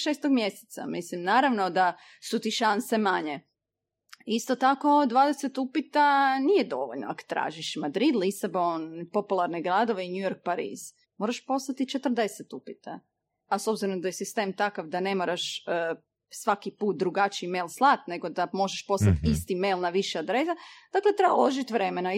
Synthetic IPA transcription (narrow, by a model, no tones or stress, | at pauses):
ʃeːst̪oɡmje̞se̥t̪sa̰mislimnaːɾaʋno̞d̪a | sut̪iʃanse̞maɲe | ist̪ot̪ako̞d̪ʋaːd̪ese̞t̪upit̪anije̞d̪oʋoʎnoakt̪ɾa̰ːʒiʃmad̪ɾid̪lisabonpo̞pulˠaɾneɡɾad̪oʋeiɲujo̞ɾk̚paɾḭːz̥ | mo̞ɾaʃpo̞slˠat̪it͡ʃet̪r̩d̪e̞set̪upit̪a | aso̞bziɾomd̪ajesist̪e̞ːmt̪akaʋd̪ane̞moɾaʃə | sʋakipuːt̪̚d̪ɾuɡat͡ʃiimelˠslˠat̪ne̞ɡo̞d̪amo̞ʒeʃpo̞slat̪ist̪imelˠnaʋiʃead̪ɾesad̪̥aklet̪ɾeba̰loʒit̪ʋɾe̞mena